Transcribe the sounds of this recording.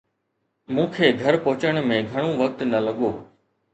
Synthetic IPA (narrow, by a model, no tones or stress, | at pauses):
mũːkʰeːɡʱɐɾpoːt͡ɕəɽ̃mẽɡʱɐɽ̃õʋɐk̚t̪nɐlɐɠoː